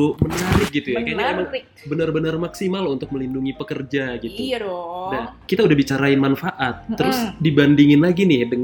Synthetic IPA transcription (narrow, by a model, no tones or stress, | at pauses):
ʊmənaɾɪk̚ɡit̪ujaaniemaŋ | bənərbənərmaksimalunt̪ʊk̚məlinduŋipəkərd͡ʒaɡit̪unakit̪audahbit͡ʃaɾaɪnmanfaʔat̪ːəɾʊsdibandiŋɪnlaɡinɪhdəŋ